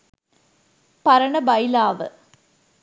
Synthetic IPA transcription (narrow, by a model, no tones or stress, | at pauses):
pɐɾɐɳɐbɐjlaːʋɨ̰